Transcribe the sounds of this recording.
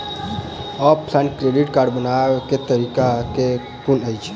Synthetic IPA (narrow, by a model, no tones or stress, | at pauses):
ɔppʰlãɳʈkɾeɖiʈkaɾɖbənaket̪əɾikake | punəjt͡ʃʰ